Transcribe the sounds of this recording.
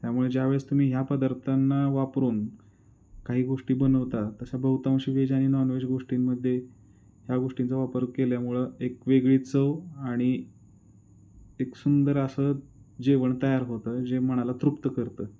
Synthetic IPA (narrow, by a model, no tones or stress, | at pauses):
t̪jamuɭed͡ʑjaʋed͡zt̪um̤iːɦjapəd̪əɾt̪ʰanːaʋapɾuːn | kaɦiːɡoʂʈiːbənəʋt̪at̪əsabəɦut̪aw̃ɕiʋed͡ʑaɽ̃inɔnʋed͡ʑɡoʂʈimːəd̪ʱːje | ɦjaɡoʂʈint͡səʋapəɾkeljamuɭəekʋeɡɭiːt͡səaɽ̃i | eksund̪əɾəsəd͡ʑeʋəɳt̪əjaɾɦot̪əːd͡ʑem̤əɽ̃alat̪ɾupt̪əkəɾt̪əː